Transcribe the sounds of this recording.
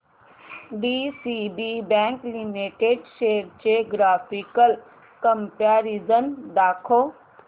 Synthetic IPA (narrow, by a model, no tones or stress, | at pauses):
ɖiːsibibɛ̃ːŋklimiʈeɖʃeːəɾt͡ʃeɡɾaːpikəl | kəmpaːɾizənd̪aːkʰoː